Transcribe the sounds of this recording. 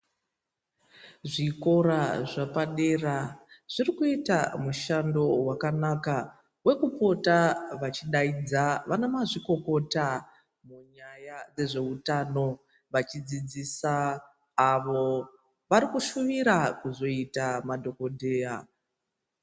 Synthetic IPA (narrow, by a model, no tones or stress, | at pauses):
ʐiko̞ɾaʐapaɗe̞raʐ̥irikuitamuʃando̞wakanaka | we̞kupo̞taʋat͡ʃiɗaid͡zaʋanemaʐiko̞ko̞ta | muɲajad͡ze̞ʐe̞utano̞ | ʋat͡ʃid͡zid͡zisaː | ʋo̞ | ʋaɾikuʃuʋiɾakuzo̞itamadʱo̞ko̞dʱeːja